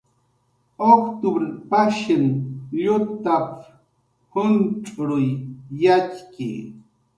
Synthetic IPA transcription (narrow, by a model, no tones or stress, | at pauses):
okt̪ʊbɾɪpaʃɪnʎʊt̪ap | hʊnt͡ʃʼɾʊjːat͡ʃkḭ